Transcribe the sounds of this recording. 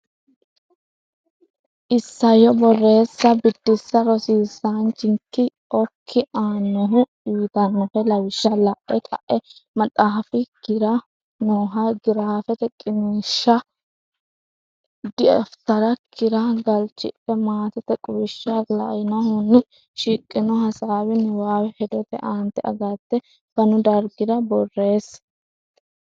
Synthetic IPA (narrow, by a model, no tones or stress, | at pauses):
ʔɪsːɐjɔbɔrːe̞ːsːɐbɪd̪ːɪsːɐɾɔsiːsant͡ʃɪŋkːɪ | ɔkʰːɪʔaːnːɔɦʊ | iːt̪ɐnːɔfɛlɐwɪʃːɐlɐʔɛkʼɐ̰ʔɛmɐt͡sʼaːfɪkɪɾɐ | noːɦɐɡɪɾaːfɛt̪ɛkʼɪmiːʃːɐ | d̪ɪɐ̰ft̪ɐɾɐkʰɪɾɐɡɐlt͡ʃːɪ̰pːɛmaːt̪ɛt̪ɛkʼʊwɪʃːɐlɐ̰jɪnɐhʊnːɪ | ʃɪkʼːɪnɔhɐsaːwɪnʊwaːwɛhɛd̪ɔt̪ɛʔaːnt̪ːɛʔɐ̰ɡɐt̪ːɛ | kɐnʊd̪ɐɾɡɪd̪ɐbɔrːe̞ːs